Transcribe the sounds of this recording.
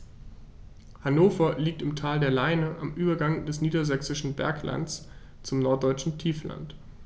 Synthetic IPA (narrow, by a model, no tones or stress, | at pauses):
hanoːfɐliːk̚tɪmtʰaːldeːɐlaɪnəʔamʔyːbɐɡaŋdɛsniːdɐzɛksɪʃn̩bɛ̰ɐkla̰nt͡s | t͡sʊmnɔɐt̚d̥ɔʏt͡ʃn̩tʰiːfla̰nt